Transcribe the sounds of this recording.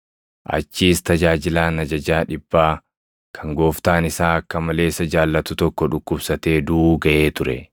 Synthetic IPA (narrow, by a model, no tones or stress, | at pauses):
ʔɐ̰t͡ʃːiːst̪ɐd͡ʒaːd͡ʒɪlaːnɐd͡ʒɐd͡ʒaːᶑɪbːaː | kʰɐŋɡo̞ːft̪aːnɪsaːɐkːɐmɐle̞ːsːɐd͡ʒaːlːɐt̪ʊt̪ɔkːɔᶑʊkːʊbsɐt̪e̞ːd̪uːɡɐʔe̞ːt̪ʊɾɛ